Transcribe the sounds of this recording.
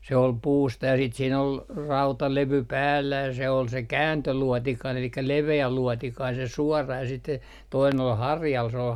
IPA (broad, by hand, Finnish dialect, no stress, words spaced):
se ol puːstɑ jɑ siːt siːn ol rɑutɑleʋy pæːlːæ jɑ se ol se kæːntøluɔtikɑin elikːæ leʋeæ luɔtikɑin se suɔrɑ jɑ siːt se toinen ol hɑrjɑl s ol